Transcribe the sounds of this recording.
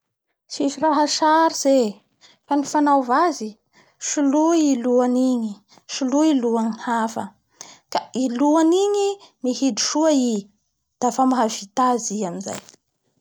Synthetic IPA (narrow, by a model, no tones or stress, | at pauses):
ʃiʃiraɦaʃaɾiz̥e | fanifanawvazi | ʃuluiluaniɲi | ʃuluiluanihafə̰ | kailuaniɲimihid̪i̥ʃuai | d̪̥afamaɦavit̪aziaminza̰j